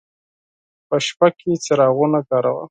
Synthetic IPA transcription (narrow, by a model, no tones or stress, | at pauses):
pəʃpaket͡seɾɑɣunakɑɾa̰wa̰